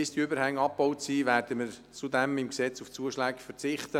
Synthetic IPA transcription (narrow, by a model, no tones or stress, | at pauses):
ɪstiʏbəɾhæŋːɑpbɔʊtsiːvæːrdəməɾ | t͡sudɛmɪmksɛt͡suft͡suəʃlæːkfəɾt͡sɪχt̪ə